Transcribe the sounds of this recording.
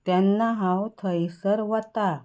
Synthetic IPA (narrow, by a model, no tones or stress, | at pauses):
t̪janːaɦãwt̪ʰəjisəɾʋət̪a